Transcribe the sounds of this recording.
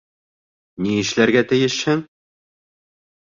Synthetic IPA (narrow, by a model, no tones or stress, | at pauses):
niɘ̆ʃlæɾɡæt̪ɘ̆jɘʃhɘŋ